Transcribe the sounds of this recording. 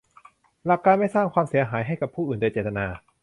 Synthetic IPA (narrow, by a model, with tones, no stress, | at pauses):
la˨˩k̚ːaː˧nma˥˩jsaː˥˩ŋkʰwaː˧msi˨˩˦ɐɦaː˩˦jɦa˥˩jka˨˩pʰːuː˥˩ʔɯː˨˩nda˧jt͡ɕeː˨˩t̪ʰːa˧naː˧